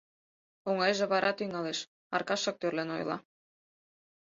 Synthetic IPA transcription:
oŋɑjʒĕβɑɾʔɑt̪yŋɑleʃ | ɑ̰rkɑʃːɑk̚t̪ørleno̰j̰lˠɑ̰

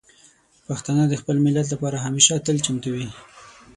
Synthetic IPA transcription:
paxt̪ɑnəd̪əxpəlmɪlat̪̬lapɑɾaɦameʃat̪əlt͡ʃamt̪awi

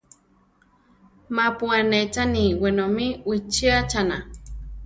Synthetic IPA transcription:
mapuanet͡saniwenomiwit͡ʃiat͡ʃana

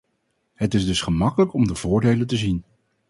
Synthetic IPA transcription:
ɦətɪzdɵsχəmɑkələkɔmdəvʊːɹdejləntəzin

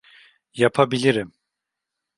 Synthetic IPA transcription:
japʰabilʲiɾim

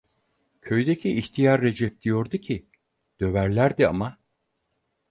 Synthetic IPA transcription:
cʰø̞jd̪ecʰiːçt̪ʰijaɾːe̞d͡ʒɛp̚d̪̥ijo̞ɾd̪ucʰi | d̪̥ø̞væɾlʲæɾd̪iama

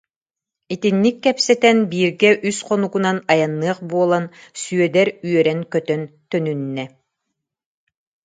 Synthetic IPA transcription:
it̪inːikːɛpsɛt̪ɛnbiːɾɡɛʔysqɔnuɡunanajanːɯɐχbuɔlˠansyœd̪ɛɾyœɾɛnkœt̪œnt̪œnynːɛ

